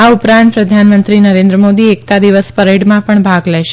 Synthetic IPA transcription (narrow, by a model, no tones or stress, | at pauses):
aupɾãnt̪̚pɾəd̪ʱanmənt̪ɾinəɾẽnd̪ɾəmod̪iek̚t̪ad̪iʋəspəɾeɖmãpəɳbʱaɡlɛʃe